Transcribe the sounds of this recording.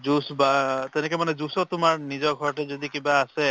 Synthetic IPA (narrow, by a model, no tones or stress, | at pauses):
zusbatɛnɛkɔmanɛzusɔtʊmaɹnizɔɹɡʱɔɹɔtɛzod̪ikibaːsɛ